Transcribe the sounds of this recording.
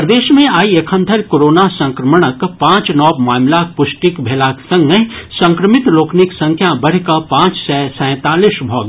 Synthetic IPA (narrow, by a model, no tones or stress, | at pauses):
pɾd̪eːʃmẽaːiekʰə̃nt̪ʰəɾkoːɾoːnasə̃ŋkɾəməɽ̃əkpãːt͡ʃnɔːbmaːmlak̚pʊʃʈikbʱeːlaːksə̃ŋɡəsə̃ŋkɾəmɪt̪loːkniksɐ̃ŋkʰjabɐɽ̤kapãːt͡ʃsɛːsɛ̃ːt̪aːlisbʱɔːɡ